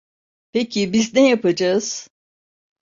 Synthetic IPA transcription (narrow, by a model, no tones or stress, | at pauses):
pecʰibiznɛjapad͡ʒaɯz̥